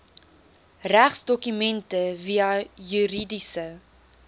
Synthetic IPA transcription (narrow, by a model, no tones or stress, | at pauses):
ræχsdɔkymɛntəviɐjyɾidisə